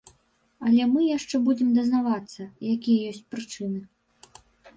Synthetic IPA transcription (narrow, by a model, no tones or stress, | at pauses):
ɐlʲɛmɨjaʂt͡ʂɛbud͡zʲɛmd̪ɐznavat̪sːɐjakʲijɐjɔsʲt͡sʲpɾɨt͡ʂɨnɨ